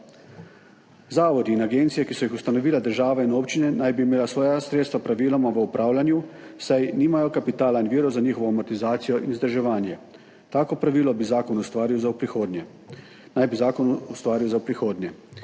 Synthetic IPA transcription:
zaːʋɔd̪iːnaɡeːnt̪sijɛkisɔjixust̪anɔʋiːlad̪əɾʒaːʋainoːpt͡ʃinɛnajbimeːlasʋɔːjasɾet̪st̪ʋapɾaʋiːlɔmaʋəupɾʔaːwlanju | sajniːmajɔkapit̪aːlainʋiːɾɔzaɲiːxɔʋɔamɔɾt̪izaːt̪sijɔʔinzd̪əɾʒɛʋaːnjɛ | t̪aːkɔpɾaʋiːlɔbizaːkɔnust̪ʋaːɾiwzaupɾixoːd̪njɛ | najbizaːkɔnust̪ʋaːɾiwzawpɾixoːd̪njɛ

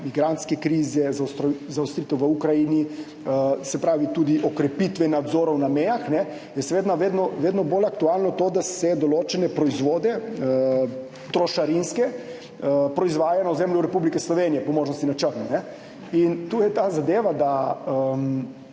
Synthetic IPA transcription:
miɡɾant̪skɛkɾiːzɛzawst̪ɾzawst̪ɾiːt̪ɛwʋəukɾajini | əsɛpɾaːʋit̪uːd̪iʔɔkɾɛpit̪ʋɛnad̪zoːɾɔwnamɛjaxnɛ | jɛsɛʋeːd̪naʋeːd̪nɔʋeːd̪nɔbolakt̪ualnɔt̪oːd̪asɛd̪ɔloːt͡ʃɛnɛpɾɔizʋoːd̪ɛə | t̪ɾɔʃaɾinskɛ | pɾɔizʋaːjanawzemljuɾɛpublikɛslɔʋenijɛpɔmoːʒnɔst̪inat͡ʃəɾnɔnɛ | int̪ujɛt̪aːzad̪eːʋad̪aəm

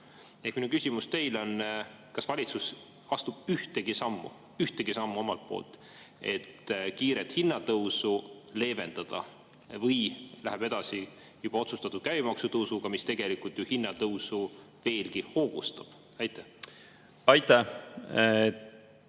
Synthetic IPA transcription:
ekminukysʲimust̪e̞jlo̞n | kɑsvɑlʲit̪sus | ɑst̪ub̥yht̪eɡ̥isɑmːṵ | yht̪eɡ̥isɑmːuo̞mɑlt̪̚po̰ːlt̪ˑ | e̞̰t̪ːkiːɾet̪hinːɑt̪ɤwsule̞ːve̞nd̪̥ɑd̪̥ɑ̰ | vɤjlæɦeb̥e̞d̪̥ɑsi | jub̥ɑo̞t̪sust̪ɑt̪ud̥̪̚kævimɑksut̪ɤwsuɡ̥ɑmist̪e̞ɡ̥e̞likult̪juhinːɑt̪ɤwsu | ve̞ːlɡiho̞ːɡ̥ust̪ɑb̥ | ɑjt̪ːˑe | ɑjt̪ːˑæ

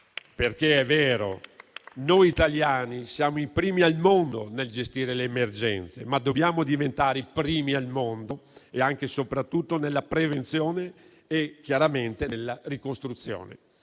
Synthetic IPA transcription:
perk̟eɛvːɛːɾo̰nojit̪aljaːnisjaːmoipɾiːmialmond̪o̰neld͡ʒest̪iːɾeleːmerd͡ʒɛ̰nt̪sḛmad̪ːobjaːmod̪ivent̪aːɾepɾiːmialmond̪oeaŋkesopɾat̪ːut̪ːonelːapɾevent̪sjoːneː | kjaɾament̪enelːarikost̪ɾut̪sːjo̰ːnḛ

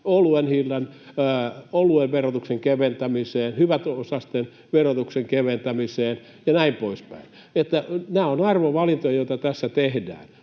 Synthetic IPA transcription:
oluenhilːɑnː | olueʋʋerot̪ukseŋkeʋent̪æmiseːnhyʋæt̪osɑst̪en | ʋerot̪ukseŋkeʋent̪æmiseːn | jɑnæimpoispæ̰in | et̪ːænæːonɑrʋoʋɑlint̪ojɑjoit̪ɑt̪æsːæt̪ehdæ̰ːn

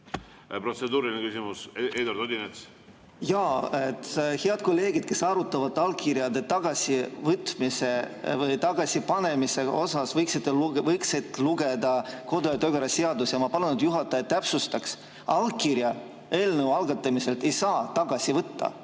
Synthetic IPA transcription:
pro̞t̪sed̪uːɾilinekysimused̪oɾd̪od̪ʲinet̪s | jɑːet̪heɑd̪̥̚ko̞lːe̞ːɡid̪̥ke̞sɑɾut̪ːˑɑvɑt̪ːˑɑlkiɾjɑd̪e̞t̪ɑɡ̥ɑsʲivɤt̪mise̞ | vɯjt̪ɑɡ̥ɑsipɑne̞mise̞o̞sɑsvɤjksit̪ːelvɤjkset̪ːˑluɡ̥e̞d̪ɑko̞d̪ojɑt̪øɡeɾɑseɑd̪usjɑmɑpɑlunud̪̥juɦɑt̪ːˑɑet̪t̪ːæpsust̪ɑks | ɑlɡ̚kiɾjɑ | e̞ːlnəuɑlɡ̥ɑt̪ːˑɑmise̞lt̪e̞jsɑːt̪ɑɡ̥ɑsivɤt̪ːɑ̰

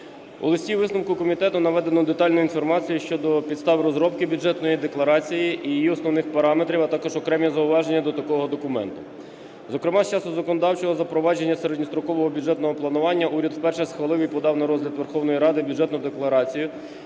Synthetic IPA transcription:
ɔ̰lˠɪsʲtʲiʋɪsnɐmkʊkɔmʲit̪ɛt̪ʊnɐʋɛd̪enɔd̪e̞t̪ɑlʲnʊinfɔrmɑt͡sʲijʊʃt͡ʃɔd̪ɔpʲid̪st̪ɑʋɪɾɔzɾɔp̚kɪbʲud͡ʒɛt̪nɔjid̪eklˠɐɾɑt͡sʲijiʔijijiɔsnɔwnɪxpɐɾɑme̞t̪ɾʲiwɐt̪ɑkɔʒɔkɾɛmʲɛzɐʊʋɑʒenʲːɐd̪ɔt̪ɐkɔɦɔd̪ɔkʊmɛ̰nt̪ʊ | zɔkɾɪmɑst͡ʃɑsʊzɐkɔnɔd̪ɑwt͡ʃɔɦɔzɐpɾɔʋɑd͡ʒe̞nʲːɐseɾed̪ʲnʲist̪ɾɔkɔʋɔɦɔbʲudd͡ʒɛt̪nɔɦɔplˠɐnʊʋɑnʲːɐʔuɾʲɐd̪wpɛrʃɛsxʋɐlˠɪʋɪjpɔd̪ɑwnɐɾɔzʲlʲɐd̪ʋerxɔwnɔjiɾɑd̪ɪbʲudd͡ʒɛt̪nʊd̪eklˠɐɾɑt͡sʲijʊ

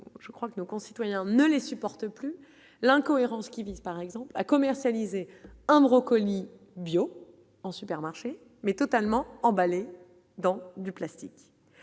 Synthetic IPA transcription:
ʒ̥əkχwakənokɔ̃si̥t̪wajɛ̃nəlesypɔʁt̪əply | lɛ̃kɔeʁɑ̃skʲivizpaʁɛɡzɑ̃pla̰kɔmɛʁsjalizeɛ̃bʁɔkɔli | bjo | ɑ̃sypɛʁmaʁʃe | mɛt̪ɔt̪almɑ̃ɑ̃bale | d̪ɑ̃d̪yplast̪ik

